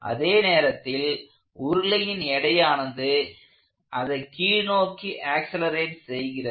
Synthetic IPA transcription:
ʔɐ̰ðeːneːɾɐt̪ːɪl | ʊɾɯlɐjɪnɛɽɐjaːnɐnd̪ɯ | ʔɐðɐɪkiːnoːkːiʔaːksɐlɐɾeːʈsɛjɣɪrɐ

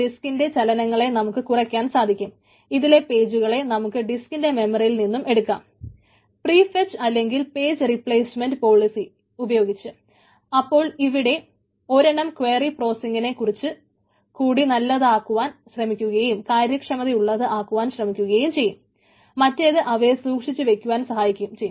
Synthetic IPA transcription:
ɖiskinde̞t͡ɕɐlɐnɐŋːɐɭe̞nɐmukːɨkurɐkʲːaːnsaːd̪ʱikʲːum | iðile̞pe̞ːd͡ʑuɣɐɭe̞nɐmukːɨɖiskinde̞me̞mɐrijilninːume̞ɽukːa̰ːm | priːfet͡ɕɨɐlːe̞ŋɡilpe̞ːd͡ʑɨripɭeːsme̞ndɨpo̞ːɭisi | ubɐjo̞ːɡit͡ɕːɨ | ɐpːo̞ːɭiʋiɽe̞ | o̞ɾeɳɐmkʋe̞ːripro̞ːsiŋɡine̞kːurit͡ɕːɨ | kuːɽinɐlːɐðaːkːuʋaːnɕrɐmikʲːuɣɐjumkaːɾjɐkʂɐmɐðiuɭːɐðɨʔaːkːuʋaːnɕrɐmikʲːuɣɐjjumt͡ɕe̞jːumː | ɐtːeɐðɨʔɐʋe̞suːkʂit͡ɕːɨʋe̞kʲːuʋaːnsɐhaːjikʲːumt͡ɕe̞jːu

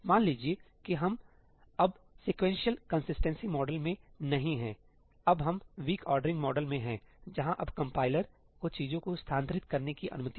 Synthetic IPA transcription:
maːnliːd͡ʒie | kiɦɐm | ɐb | seːkʋɛ̃ːnʃiəlkɐ̃nsɪsʈə̃nsimɔːɖəlmẽnɐɦĩɦɛ̃ː | ɐbɦɐmʋiːkɔːɾɖɾɪ̃ŋɡmɔːɖəlmẽɦɛ̃d͡ʒɐɦãʔɐbkɐ̃mpaːɪləɾ | kot͡ʃiːzõkost̪ʰãːnt̪ɾɪt̪kɐɾnekiʔɐ̰nʊmət̪i

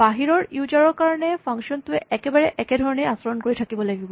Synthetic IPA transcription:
baɦiɾɔɹjud͡ʒaɹɔɹkaɹɔnepʰaŋʃɔnt̪ueʔɛkebaɹeʔɛked̪ʱɔɹɔnejasɔɾɔnkoɹitʰakibɔleɡib

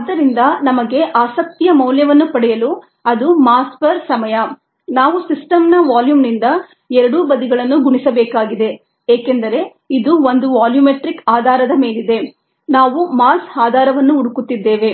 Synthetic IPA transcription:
ɐd̪ːɐɾind̪ɐnɐmɐɡe̞ʔaːsɐk̚t̪ijɐmɐwljɐʋɐnːupɐɽɛjɐlu | ɐd̪umaːspɐɾsɐmɐjɐ | naːʋusisʈɐmnɐʋaːljuːmnind̪ɐ | ɛɾɐɽuːbɐd̪iɡɐɭɐnːuɡuɳisɐbɛːkaːɡid̪e̞ | eːkend̪ɐɾe̞ | id̪uo̞nd̪uʋaːljumeʈɾikaːd̪ʱaːɾɐd̪ɐme̞ːlid̪e̞ | naːʋumaːsaːd̪ʱaːɾɐʋɐnːuːɽukut̪ːid̪ːe̞ːʋe̞

